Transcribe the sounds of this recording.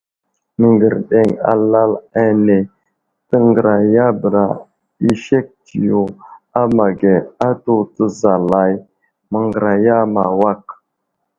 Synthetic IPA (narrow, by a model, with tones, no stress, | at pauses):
mə˨ŋɡə˨ɾɗe˨ŋa̰˨la˦la˦ne˨ | tə˦ŋɡə˨ɾa˨ja˦bə˨ɾa˨ | i˦ʃe˦k̚ti˨jo˨a˦ma˨ɡe˨a˦to˦tə˦˨za˨la˨j | mə˨ŋɡə˨ɾa˨ja˦ma˨wa˦k̚